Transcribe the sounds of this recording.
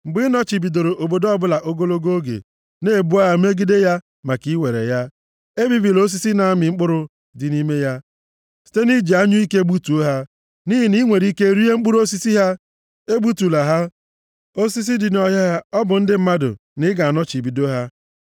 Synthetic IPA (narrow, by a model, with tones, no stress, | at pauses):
ŋ͡m̩˨ɡ͡bɪ˦nɔ˦t͡ʃi˨bi˨do˨ɾo˨ʔo˨bo˨do˦ɔ˦bʊ˦la˨ʔo˦ɡo˦lo˦ɡo˦ɡḛ˨ | ne˦˨bu˦a˦ɦa˦me˦ɡi˦de˦ja˦ | ma˨ki˦we˨ɾḛ˨ja˦ | e˦bi˨bi˨lo˦s̬i˦si˦na˨a˦mɪ˨ŋ͡m̩˦k͡pʊ˦ɾʊ˦ | dɪ˨ni˦me˦ja˦ | si̥˨˦te˦ni˦d͡ʒi˨a˦ɲʊ˦i˦ke˦bu˦tu˨o˦ɦa˦ | ni˦ɦi˨ni˦ŋʷe˨ɾi˦ke˦ɾi˦e˦ŋ͡m̩˦k͡pʊ˦ɾu˦o˦si˦si˦ɦa˦ | e˦bu˦tu˨la˨ɦa˦ | o˦si˦s̬i˦dɪ˨n˦ɔ˦ɦa˦ɦa˦ɔ˦bʊ˨n̩˦dɪ˦m̩˦ma˦dʊ̰˨ | nɪ˦ɡa˨a˨nɔ˦t͡ʃi˨bi˨do˦ɦa˦